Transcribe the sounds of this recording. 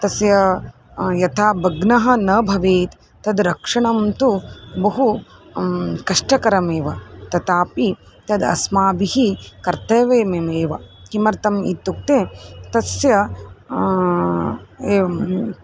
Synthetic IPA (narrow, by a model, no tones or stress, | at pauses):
t̪ɐsjɐ | jɐt̪ʰaːbɐɡnɐɦɐ̆nɐbʱɐʋeːt̪ | t̪ɐd̪ɾɐkʂɐɳɐmt̪ubɐɦu | kɐʂʈɐkɐɾɐmeːʋɐt̪ɐt̪aːpi | t̪ɐd̪ɐ̰smaːbihikɐɾt̪ɐjʋeːmemeːʋɐkimɐɾt̪ɐmḭt̪ːuk̚t̪et̪ɐsjɐ | e